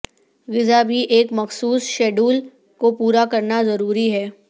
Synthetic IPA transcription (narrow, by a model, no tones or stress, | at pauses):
ɣɪzabʱiʔeːkmɐxsuːsʃɛːɖuːl | kopuːɾakɐɾnazɐɾuːɾiɦɛː